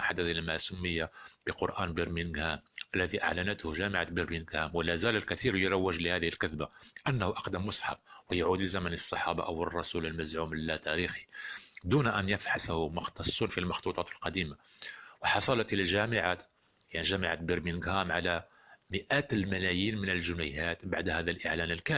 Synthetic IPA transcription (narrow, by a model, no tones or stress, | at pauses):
ħad̪ːæθlmasʊmːəjːab̥əqʊɾʔæːnbəɾminɡhæmʔælːæðiʔa̰ʕlænət̪hʊʒæməʕabəɾbinɡhæmwəlæzæləlkæt̪iɾjɾˤɑwːəʒləhæd̪əhilkæðbaʔənːhuʔɑqd̪əmːʊsˤħɑ̰b̚wəjʕud̪ləzæmænəsˤːɑħɑbɑ̰ʔəwərˤːɑsuləlmæzʕumlːæt̪æɾixi̥d̪unʔænjəfħashʊmʊxt̪ɑsˤːunfilmɑxt̪ˤut̪ˤɑt̪əlqɑd̪ima | wəħɑsˤɑlɑt̪lælʒæmɪʕat̪ | jaʕniʒæmaʕat̪̚biɾbinɡhæmʕalæ | mɪʔæt̪lmælæjiːnmənəlʒʊnəjhæt̪baʕd̪hæd̪ælʔəʕlænəlkæ